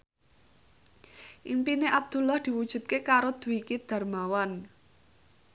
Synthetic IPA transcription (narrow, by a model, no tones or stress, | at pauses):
ʔimpineʔab̚d̪̥ṳlɔhd̪̥i̤wud̥ʒ̥ṳt̪̚kekaɾod̪̥ṳikid̪̥a̤rmawan